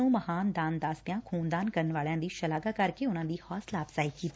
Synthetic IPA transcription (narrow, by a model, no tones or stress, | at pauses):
ũmɐhaːnd̪aːnd̪aːst̪jãkʰuːnd̪aːnkɐɾənʋaːɭjãːd̪iːʃɐlaːɡakɐɾkeʊnãːd̪iːhɔːslaːpsaːikiːt̪ː